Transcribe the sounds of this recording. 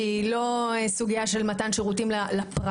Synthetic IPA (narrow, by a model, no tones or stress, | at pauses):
ilo̞esuɡiaʃe̞lmatanʃeʁutimlalapʁ